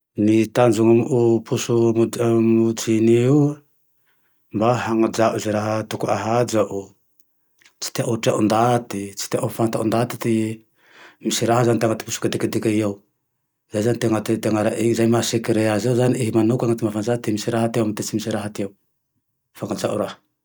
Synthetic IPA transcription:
nit̪and͡ʒuŋamupusuumud͡zini | mbaɦaŋad͡ʒaʔuzeɾaɦət̪ukuaɦad͡ʒaʔu | t͡si̥t̪eʔaʈ͡ʂa̰ʔund̪at̪it͡si̥t̪eʔafant̪a̰ʔund̪at̪i̥t̪i | misiɾaɦazanit̪eaŋat̪i̥pusu̥kad̪ekad̪ekʲajaw | zajzanit̪eŋat̪et̪eaŋaɾaʔezajmasekiɾeazewzaniʔeɦimanukaŋat̪imavanzat̪emisiɾaɦat̪ewamt̪et͡simisiɾaɦat̪ew | faŋad͡ʒaʔuɾahə̥

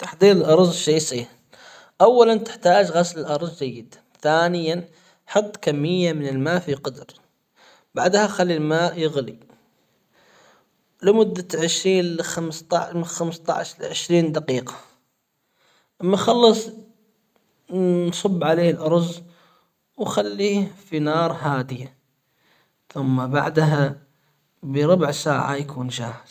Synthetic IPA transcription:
t̪aħd̪ˤiːɾɪlʔɑɾˤzˤʃaːsiːn | ʔawːalant̪ɪ̥ħt̪aːd͡ʒɣaslɪlʔɑɾˤzˤd͡ʒajːɪd̪ | θaːnɪjan | ħɑt̪ˤːkamːɪjːamɪnɪlmaːʔfiqɑd̪ɾ | b̥aʕd̪haxalːilmaːʔjɪɣli | lɪmʊd̪ːaʕɪʃɾiːnlxamst̪ɑʕmxamst̪ˤɑ̰ʕʃlʕɪʃɾiːnd̪aqiːqɑ̥ | ʔamːaxɑlːɑsˤ | nsˤʊbːʕaleːhlʔɑɾˤz | wxalːifinɑːɾˤɦaːd̪ɪja | θʊmːaba̰ʕd̪ɦa | bɪɾˤʊbʕsa̰ːʕa̰jakʰuːnʃaːhɪz

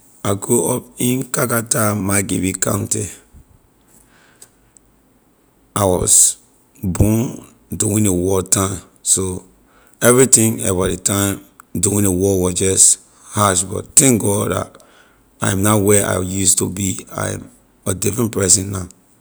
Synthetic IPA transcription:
aɡoɔpĩnkakatamaɡibikã̰nti | awɔ̰s | bɔ̃n | duwĩnewɔtãɪ̃m | so | ɛvɹitĩŋɛbadetãɪ̃mduwĩnewɔwɔsd͡ʒɔst | haʃbɔ̰ttɛ̃ŋk̚ɡɔda̰t | a̰jãmnawɛʔa̰ɪjustubia̰jã̰m | ədifɹɛ̃npɹɛsĩnːã

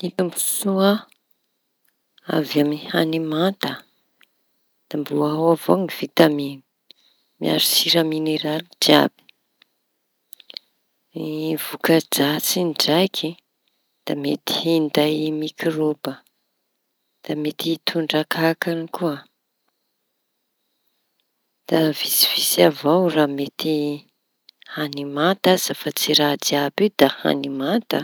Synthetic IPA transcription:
it̪umbusuə | avamihanimant̪ə | d̪̥ambuawavoŋiv̥it̪amini̥ | mia̰ɾisiɾəmineɾalid͡ʒia̰b̥i̥ | iv̥ukad͡ʒat͡sind͡ʒajkʰi | d̪̥amet̪i̥ind̪ajmikirobə | d̪̥amet̪it̪ʰuɳɖ͡ʐakakanikuə | d̪̥avisi̥v̥isavawraːmet̪i | hanimant̪az̥afat͡siɾadiabid̪aha̰nimat̪ə

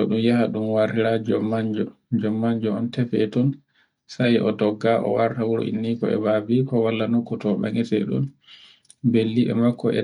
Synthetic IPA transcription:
ɔɗumjahaɗumwaɾtiɾad͡ʒɔmːaɲd͡ʒɔd͡ʒɔmːaɲd͡ʒɔɔntɛfɛtɔn | sajɛʔɔtɔɡːaʔɔ̰waɾtawuɾɔ̰ʔḭnːikɔɛ̰babikɔwalːanokːutɔɓa̰ŋɛtɛ̰ɗṵn | belːiɓɛ̰makːɔɛ̰

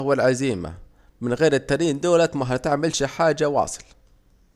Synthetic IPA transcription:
walʕaziːma̰ | mɪnɣeːɾɪt̪ːaɾiːnd̪oːlat̪maɦat̪ɪʕmɪlʃiħaːd͡ʒːawɑ̰ːsˤɨ̥l

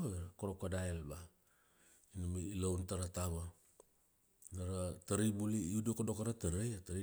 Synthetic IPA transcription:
eɾakoɾokadaelba | inumiːlawntaɾataβa | naɾataɾibuliiudokodokaɾataɾejataɾi

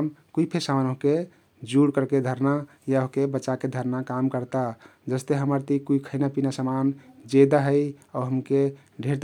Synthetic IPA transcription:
mkuipʰesamanoɦke | d͡ʒuɽkəɾked̪ʱəɾna | jaoɦkebət͡ʃaked̪ʱəɾnakamkəɾt̪ad͡ʒəst̪eɦəməɾt̪ikuikʰəɪnapinasəmand͡ʒed̪aɦəjɔɦəmke | ɖʱeɾt̪

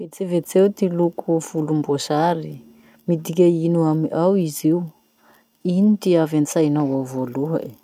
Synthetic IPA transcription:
vet͡sevet͡sewt̪ilukʰufulumbosaɾi | mid̪ikʲainuamiʔawiziw | init̪iavant͡sajnawovoluɦə̰e

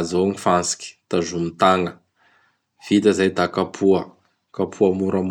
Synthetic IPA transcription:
zoŋifant͡si̥kʲi̥t̪aʒumt̪aŋə | v̥it̪əzajd̪akapʰuə | kapʰuamuɾam

